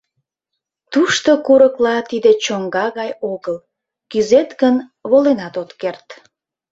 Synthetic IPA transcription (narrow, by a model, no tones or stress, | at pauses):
t̪uʃt̪okuɾəklɑt̪id̪et͡ɕoŋɡɑɣɑjoɣəl | kyzet̪ɣənβolenɑt̪ot̪kert̪